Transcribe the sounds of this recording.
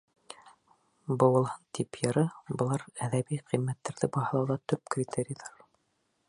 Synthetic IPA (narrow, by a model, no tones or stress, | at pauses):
bɤ̆wɤ̆lˠhɤnt̪ipjɤ̆ɾɤbɤ̆lˠɑɾæðæbiqimːæt̪ːæɾðɘbɑɦɤ̆lˠɑwðɑt̪ɵp̚krʲit̪ʲʰeɾʲijðɑɾ